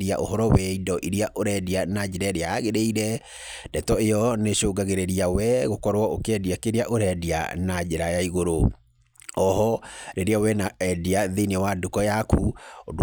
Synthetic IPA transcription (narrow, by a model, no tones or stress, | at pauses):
ɾia̰ʔo̰hɔɾɔwɛidɔʔiɾiaʔoɾɛdianad͡ʒeɾaɾeaɣeɾeiɾɛ | dɛtɔejɔneʃoɡaɣeɾeɾiawɛɣokɔɾwɔokeɛdiakeɾeaʔoɾɛdia̰nad͡ʒɛɾajaiɣoɾo | ɔhɔɾeɾiawɛnaɛdiaðenɛwadukɔjakuod